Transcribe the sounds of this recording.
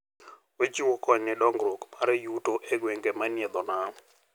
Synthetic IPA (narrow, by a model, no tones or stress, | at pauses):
wed͡ʒiwɔkɔɲnɛdɔŋɡɾokmaɾɛjutoʔeɡweŋɡemanɪɛd̪ɔna